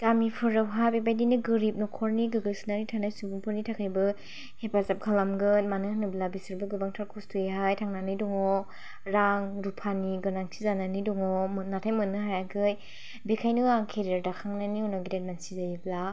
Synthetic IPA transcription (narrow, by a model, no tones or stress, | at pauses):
tamipʰɯɾawɦabebajdinɯɡɯɾip̚nɔkʰɔɾniɡɯɡɯlsɯnanitʰanajsubuŋpʰɯɾnitʰakʰajbɯ | hepasap̚kʰalamɡɯnmanɯhanɯblabisɯɾbɯɡɯbaŋtʰaɾkʰustʰueɦajtʰaŋnanɯjdɔŋɔ | ɾaŋɾupʰaniɡɯnaŋtʰizananidɔŋɔmɯnːatʰajmɯnːɯɦajaɡɯj | bekʰajnɯɾaŋkʰeɾiaɾdakʰaŋnaniɔnɔɡidat̚mansizajibla